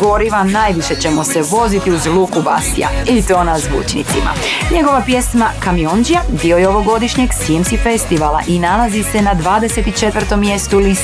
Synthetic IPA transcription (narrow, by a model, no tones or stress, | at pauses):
ɡo̞ɾiʋanaːjʋiʃet͡ɕe̞mo̞seʋo̞zit̪iuzlˠuːkuba̰st̪ja̰it̪o̞ːnazʋṵːt͡ʃnḭt̪sima̰ɲe̞ɡo̞ʋapje̞smakamio̞nd͡ʒijad̪io̞jeo̞ʋo̞ɡo̞d̪iʃɲeɡsiemsifest̪iʋala̰ʔinalazise̞nad̪ʋaːd̪ese̞t̪it͡ʃe̞t̪ʋvər̩t̪o̞mːje̞st̪ulis